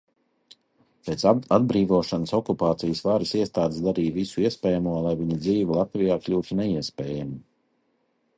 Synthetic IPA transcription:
peːt̪sad̪̚bɾiːvuɔːʃanəsɔkupaːt̪sijsvaːɾisiɛst̪aːd̪ɪsd̪aɾiːvisuiɛspʲɛːjamuɔlˠajviɲid̪ziːvilˠat̪vijaːklʲuːt̪unɛiɛsʲpʲɛːjamu

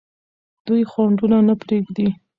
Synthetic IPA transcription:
d̪̥ujxwaɳɖunanapɾeɡd̪i

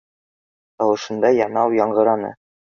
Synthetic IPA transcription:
t̪ɒwɤ̆ʃɤ̆nd̪ɑjɑnɑwjɒɴɢɤ̆ɾɑnɤ̰

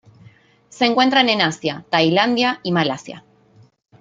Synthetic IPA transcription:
se̞ːŋkwe̞nt̪ɾanenasjat̪ajland̪jaimalasja̰

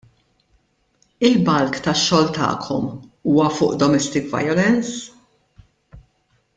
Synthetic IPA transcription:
ɪlbɐlkt̪ɐʃːɔːlt̪ɐ̰ːkʰɔmuːwɐfʊ̰ːʔd̪ɔmɛst̪ɪkvɐ̰jɔlɛns

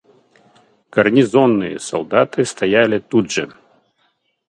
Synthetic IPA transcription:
kɐrnʲizɔnːɨjɐ̰salˠd̪at̪ɨst̪ajalʲit̪udʐɐ

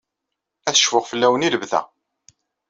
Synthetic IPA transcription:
æθə̥ʃfʊʁfəlːæwəniləvðæ̰

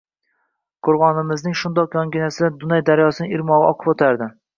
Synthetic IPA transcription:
qʰʊɾʁɒnɪmɪznɪŋʃʊnd̪ɒqjɒŋɡʲɪnasɪd̪ad̪ʊnajd̪aɾjɒsɪnɪɪɾmɒʁɨʔɒqʰɨ̥pot̪ʰaɾd̪ɪ

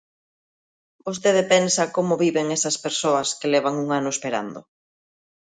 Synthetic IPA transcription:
bost̪eðepensɐkomʊβiβeŋɛsɐspeɾsoɐskelɛβ̞aŋuŋanʊespeɾa̰nd̪o̰

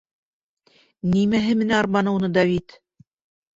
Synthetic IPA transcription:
nimæɦɘmɘ̆næɑɾmɑnɤ̆wnɤd̪ɑvit̪

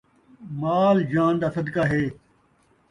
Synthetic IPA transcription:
maːld͡ʒãːnd̪aːsɐd̪kaːɦeː

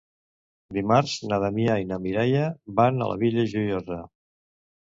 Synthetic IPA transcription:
d̪imaɾznaðamiainamiɾajəbanə̰lʔə̰βiʎəʒujoza

